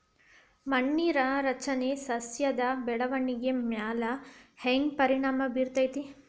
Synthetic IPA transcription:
mɐɳːiːɾɐɾɐt͡ʃɐnesɐsjɐd̪ɐbɛɽɐʋɐɳːiɡemjaːlɐheŋɡpɐɾiɳaːmɐbiːɾt̪ɐjt̪i

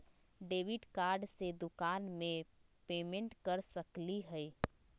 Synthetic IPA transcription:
ɖeːʋɪɖkaːɾɖsed̪ʊkaːnmẽ | peːmẽɳʈkəɾsəkliɦɛi

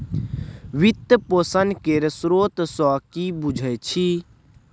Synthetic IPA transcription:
ʋit̪posənkeɾsɾoːt̪sɔːkibud͡ʒʱət͡ʃʰi

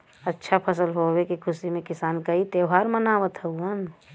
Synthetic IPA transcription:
ətːʃʰapʰəsəlɦowekikʰʊsimẽkɪsaːnkait̪eːwɦaːɾmənaːʋət̪ɦəuən

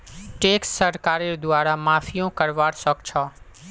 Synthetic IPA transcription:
ʈeːksːəɾkaːɾeːɾd̪ʊaːɾamaːfijõːkəɾʋaːɾsɔkt͡ʃʰɔː

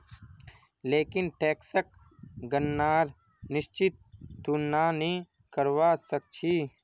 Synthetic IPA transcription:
leːkɪnʈeːksək̚ | ɡənːaːɾ | nɪʃt͡ʃɪt̪̚ːunaːnĩ | kəɾʋaːsək̚t͡ʃʰiː

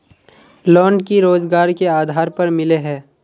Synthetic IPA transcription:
lɔːɳkiɾoːzɡaːɾkeaːd̪ʱaːɾpɐɾmɪleɦɛː

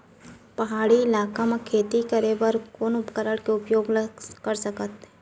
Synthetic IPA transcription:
pɐɦaːɽiɪlaːkamakʰeːt̪ikəɾebəɾkoːnʊpkəɾəɽkeʊpjoːɡlkəɾsəkət̪

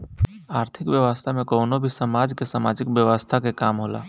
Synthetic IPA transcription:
aːɾt̪ʰɪkʋjəʋəst̪ʰamẽkəʊnobʱisəmad͡ʒkesamad͡ʒikbjəʋəst̪ʰakekaːmɦola̰ː

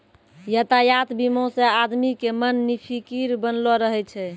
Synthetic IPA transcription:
jət̪ajat̪bimõsead̪mikemənːipʰikiɾbənlɔɾəɦɛt͡ʃʰɛ

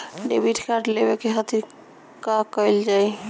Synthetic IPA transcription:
ɖḛbiʈʰkaɾɖlebekeɦət̪i | kakəjld͡ʒaj

